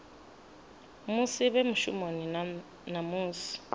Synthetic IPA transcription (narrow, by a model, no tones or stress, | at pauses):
musiβemuʃṵmoni | namuːsi̥